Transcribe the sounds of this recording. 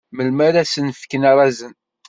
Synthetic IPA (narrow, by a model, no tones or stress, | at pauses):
məlmæɾæsənfkənaɾˤɑzən